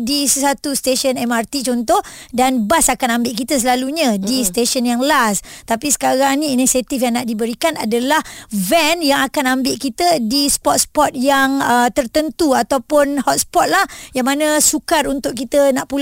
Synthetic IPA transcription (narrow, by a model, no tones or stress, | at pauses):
disəsat̪ust̪eʃənɛmart̪it͡ʃɔnt̪ɔh | danbasakanambɪʔkit̪əsəlaluɲə̃dist̪eʃənjaŋlast̪apisə̥kaɾaŋnĩːnisat̪ifjaŋnaʔdibəɾikanadalahvɛnjaŋakanambɪʔkit̪ədispɔt̪̚spɔt̪̚jaŋət̪ərt̪ənt̪uat̪awpʊnhɔt̪̚spɔt̪̚lahjaŋmanəsukaɾunt̪ʊʔkit̪ənaʔpul